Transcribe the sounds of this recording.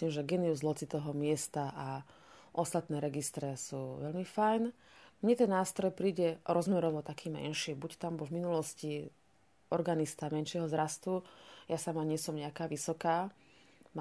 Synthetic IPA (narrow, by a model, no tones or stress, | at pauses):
limʒɛɡɛnɛuzlɔt͡sit̪ɔɦɔmɪɛst̪aʔa | ʔɔst̪at̪nɛːɾɛɡist̪ɾɛsuːʋɛʎmifajn | mɲɛt̪ɛnːaːst̪ɾɔjpɾiːɟɛɾɔzmɛɾɔʋɔt̪akʰiːmɛ̰nʃibuct̪ambuvminulɔsci | ɔɾɡanist̪amɛnʃɪɛɦɔzɾast̪ujasamaɲɪɛsɔmɲɛakaːʋisɔkaː